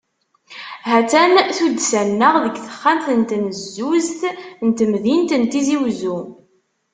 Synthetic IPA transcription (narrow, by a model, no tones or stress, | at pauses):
ɦæt͡sænθud̪sænːəʁðəɡθə̥χːant̪ənt̪nzːuzt̪nt̪mðint̪ənt̪iziwzu